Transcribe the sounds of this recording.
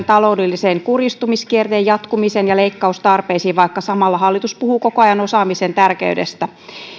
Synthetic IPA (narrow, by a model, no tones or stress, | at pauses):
nt̪ɑlo̞udelːiseŋkurist̪umiskiert̪eːjjɑt̪kumisenjɑle̞ikːɑust̪ɑrpeisiːʋʋɑikːɑsɑmɑlːɑɦɑlːit̪uspuhuːko̞koɑjɑno̞sɑːmisent̪ærkḛydḛst̪æ